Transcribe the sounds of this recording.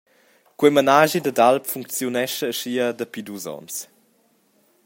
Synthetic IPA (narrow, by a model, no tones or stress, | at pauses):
kwəjmanaʒid̪ədalpfuŋk̚t͡sjunɛʃəːʃiədəpid̪uzɔ̰ns